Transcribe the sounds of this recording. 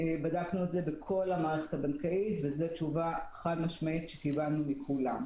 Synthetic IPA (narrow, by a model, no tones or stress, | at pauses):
badaknuetze̞bekʰo̞lhamaːʁeχe̞̥thabankaʔitvezet͡ʃuvaeχadmaʃmait̪ʃekibannumikʰulam